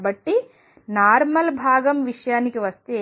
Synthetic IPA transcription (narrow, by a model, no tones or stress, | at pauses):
bɐʈːi | naːɾmɐlbʱaːɡɐmʋiʂjaːnikiʋɐst̪e